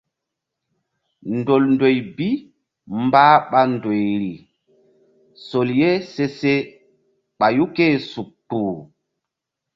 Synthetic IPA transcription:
ndo˨lndo˨jbi˦ | mbaː˦ɓa˦ndo˨jɾi˨ | so˨lje˦se˦se˦ | ɓa˨ju˦ke˦su˨k̚tuː˨

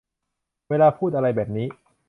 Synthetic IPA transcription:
weː˧laː˧pʰuː˥˩ʔa˧ɾa˧jbɛː˨˩p̚niː˦˥

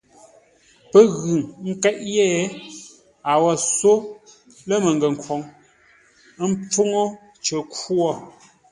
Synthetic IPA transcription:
pə˦ɣʉ˨ŋŋ̩˦kɛ˦ʔjɛː˦˨˦ | a˨wɔ˨so˦ | lə˦mə˨ŋ˨ɡə˨ŋ̩˨kwɔ˨˦ŋ˦ | m̩˦p͡fo˦ŋo˦ | t͡ʃə˨ku˦ɔ˦

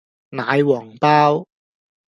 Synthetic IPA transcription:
naː˨˧jwɔː˨˩ŋpaː˥w

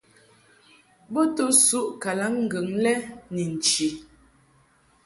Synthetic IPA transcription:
bo˦to˦su˦ʔka˨la˨˦ŋŋ̩˦ɡə˨ŋlɛ˦ni˨n̩˨t͡ʃi˨

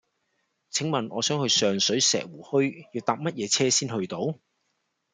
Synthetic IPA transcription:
t͡sʰɪ˨˥ŋmɐ˨nɔː˨˧sœː˨˥ŋhɵ˧ɥsœː˨˧ŋsɵ˨˥ɥsɛ̰ː˨k̚wuː˨˩hɵ˥ɥjiː˨˧wt̪aː˧p̚mɐ˥t̚jɛː˨˧t͡sʰɛː˥siː˥nhɵ˧ɥt̪o˨˥w

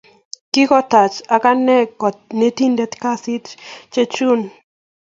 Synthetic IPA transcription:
kɪ˦kɔ˦t̪a˨t͡ʃa˨ka˦nɛ˦kɔ˨ne˦t̪i˦nde˦t̪ka˦si˦t͡ʃt͡ʃe˦t͡ʃu˦n

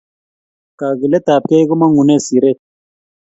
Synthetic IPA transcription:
ka˨ɣi˨le˦t̪aː˨p̚ke˦jɣu˦ma˦ŋu˨ne˦si˨ɾe˦

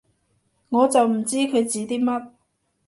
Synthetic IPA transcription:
ŋɔː˨˧t͡sɐ˨wm̩˨˩t͡siː˥kʰɵ˨˧ɥt͡siː˨˧t̪iː˥mɐ˥t̚

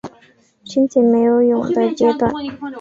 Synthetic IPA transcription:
t͡ɕʰi˥nt͡ɕʰi˥˨me˩o˥˨jʊ˨ŋd̪ə˨t͡ɕɛ˥˨t̪wa˥˨n

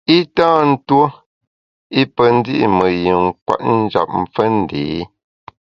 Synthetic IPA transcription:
i˦tãː˦n̩˦two˦ | i˦pə˨n̩˦di˦ʔḭ˨mə˨ji˨ŋ˦kwa̰˨ʔ̚n̩˦d͡ʒa̰˨p̚m̩˨p͡fə˦n̩˨deː˨˦

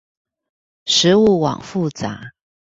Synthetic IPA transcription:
ʂɻ̩˧˥u˥˩wɑ̰˨˩ŋfu˥˩t͡sa̰˧˦

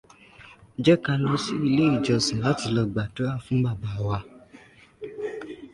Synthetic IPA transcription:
d͡ʒɛ˦ka˧lɔ̃˧˦si˦i˧le˦i˦˨d͡ʒɔ˧sĩ˨la˦ti˧lɔ˧ɡ͡ba˨to˨˦a˦˨fũ˦ba˦˨ba˨wa˧

